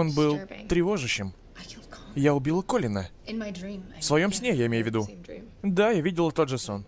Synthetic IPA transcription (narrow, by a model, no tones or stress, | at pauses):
onbɨlˠt̪ɾʲɪvo̞ʐɨɕːɪm | jaʊbʲilˠəkolʲɪnə | ifsvɐjo̞msʲnʲejaɪmʲejʊvʲɪd̪u | d̪ajavʲidʲɪlˠət̪o̞t̪ʐɨson